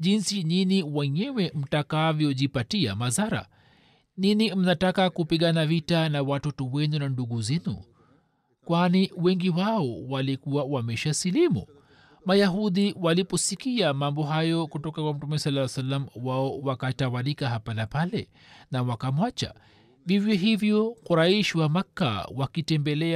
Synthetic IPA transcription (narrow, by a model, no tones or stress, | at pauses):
ʄinsininiwɛɲɛwɛm̩takavjɔʄipatia̰mazaɾa̰ | ninim̩natakakupiɠanavitanawatɔtɔwɛnunanduɡuzɛnṵ | kwaniwɛŋɡiwaɔwalikuwawamɛʃasilimṵ | majaɦuðiwalipɔsikiamambɔɦajɔkutɔkakwam̩tumɛsalːasalːamwaɔwakatawalikaɦapanapalɛ̰ | nawakamwat͡ʃa̰ | vivjɛɦivjɔxuɾaiʃiwamakːa̰wakitɛmbɛlɛ